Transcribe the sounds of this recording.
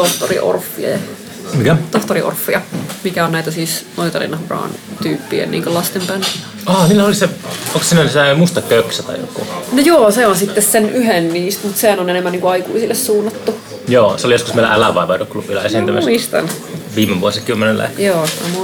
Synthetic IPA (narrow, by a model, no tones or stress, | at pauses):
t̪oht̪o̰rḭʔo̰rfːiḛ | mikæt̪oht̪oriʔo̰rfːijɑmikæonnæit̪æsiːsnoit̪ɑ̰lḭnɑhurɑ̰ːnt̪yːpːiḛnḭːŋkølɑst̪empæn | ɑːniːlːæoliseoŋkssiːnænisemust̪ɑkøksæt̪ɑ̰ijo̰kːṵnojoːseonsit̪ːessenʔyɦenːiːst̪mut̪sehænonenemːæniŋkuɑikuisilːessuːnːɑt̪ːu | joːseolijoskusmeˑilæ̰ʔælæʋɑˑiʋɑidoklubilːˑɑesint̪æ̰mæ̰mist̪ɑ̰n | ʋiːmːeʋuosikymːenelḛhkjoːno̰mu